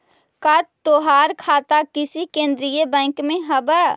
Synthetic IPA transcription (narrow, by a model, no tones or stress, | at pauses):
katt̪oɦaɾkʰat̪akisikẽnd̪ɾijebɛ̃ŋkmẽɦəbə